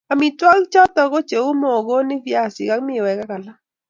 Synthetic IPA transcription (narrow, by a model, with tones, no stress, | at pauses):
a˨mi˨twa˦kt͡ʃɔ˦t̪ɔ˨ko˦t͡ʃe˨u˦mo˨ɡo˦nɪ˦vja˨sɪ˨ka˦kmɪ˦˨wɛ˨ka˦ka˨la˦